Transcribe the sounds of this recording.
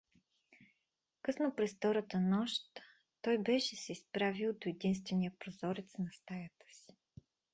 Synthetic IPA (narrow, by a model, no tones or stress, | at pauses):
kɤsnopɾɛsft̪ɔɾət̪ənɔʃt̪ː | ɔjbɛʃɛsɛispɾavilˠd̪oɛd̪inst̪vɛnijəpɾozɔɾɛt̪snɐst̪ajət̪ə̥si̥